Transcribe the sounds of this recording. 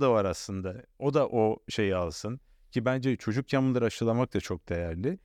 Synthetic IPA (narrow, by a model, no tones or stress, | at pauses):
d̪avaɾaslˠɯnd̪ao̞d̪aʔo̞ʃe̞jialˠsɯn | cʰibænd͡ʒɛt͡ʃʰo̞d͡ʒukjamɯnlˠaɾaʃɯlˠamak̚t̪ʰat͡ʃʰo̞k̚d̪̥e̞jæɾlʲɪ